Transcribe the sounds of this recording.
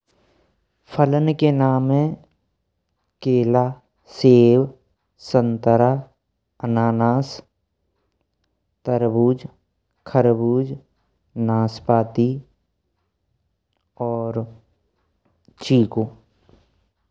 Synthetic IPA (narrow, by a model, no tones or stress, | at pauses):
pʰələnkenaːmẽ | keːlaː | seːw | sə̃nt̪əɾa | ənaːnaːs | t̪əɾbuːd͡ʒ | kʰəɾbuːd͡ʒ | naːspaːt̪i | ɔːɾ | t͡ʃiːkoː